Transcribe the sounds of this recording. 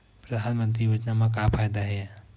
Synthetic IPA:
pɾɐd̪ʱanmənt̪̬ɾibɐt͡ʃnamakapʰajd̪aɦɛ

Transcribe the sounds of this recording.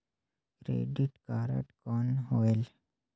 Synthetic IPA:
kɾḛːɖiʈkaːɾə̰ʈkɔnɦoːel

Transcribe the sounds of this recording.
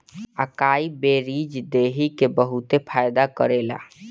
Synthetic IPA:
a̰kaibeɾid͡ʒd̪eɦikebəɦut̪epʰajd̪akəɾela̰

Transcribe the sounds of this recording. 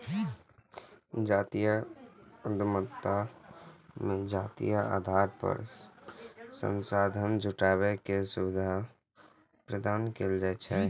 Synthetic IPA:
d͡ʒaːt̪ijə | əd̪mət̪ːa | mẽd͡ʒaːt̪ḭjəa̰ːd̪ʱaɾpə̰ɾ | sə̰̃nsaːd̪ʱənd͡ʒʱuʈaːβekesubɪd̪ʱa | pɾəd̪aːnkeld͡ʒaːt͡ʃʰɛ

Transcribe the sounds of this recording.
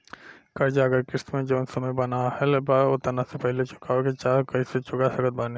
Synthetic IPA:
kɐɾd͡ʒaɐɡəɾkɪst̪mẽd͡ʒɐnsɐməjbɐnahɛlbaot̪ɐnasepɛɦlet͡ʃʊ̥kaːoket͡ʃaːkɐiset͡ʃʊɡasɐkət̪̚baːne

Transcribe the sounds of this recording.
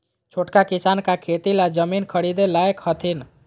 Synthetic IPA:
t͡ʃʰoʈkakisankakʰet̪ilad͡ʒəminkʰəɽid̪elaekhət̪ʰin

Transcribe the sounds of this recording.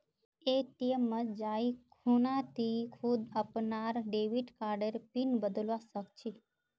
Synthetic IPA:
et̪ijəməd͡ʒaikʰunat̪ʰikʰud̪əpnaɾɖeʋiʈkaɾɖəɾpinbəd̪əlʋasəkt͡ʃʰi

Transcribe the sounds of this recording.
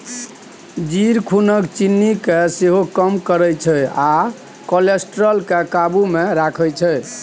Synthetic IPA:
d͡ʒiɾkʰunəkt͡ʃinːikeseɦokəmkəɾəjt͡ʃʰɛa | kolesʈɾəlkekabumeɾakʰət͡ʃʰɛ

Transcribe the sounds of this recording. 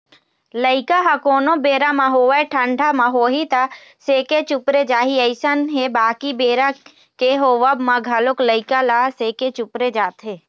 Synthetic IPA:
ləɪkaɦakoːnobeːɾamãɦoːʋaeʈʰəɳɖʱamãɦoːɦit̪a | seːket͡ʃʊpɾed͡ʒaːɦiəɪsənɦebaːkibeːɾa | keɦoːʋəbmãɡʱalokləɪkalaseːket͡ʃʊpɾed͡ʒaːt̪ɦeː

